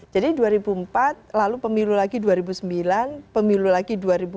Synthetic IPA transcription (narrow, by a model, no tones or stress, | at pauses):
d͡ʒadiduaɾibuəmpat̪̚lalupəmilulaɡiduaɾibusəmbilanpəmilulaɡiduaɾibu